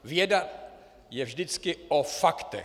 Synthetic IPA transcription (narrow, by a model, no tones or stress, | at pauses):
vjɛda | jɛvʒdɪt͡skɪʔofakt̪ɛ̰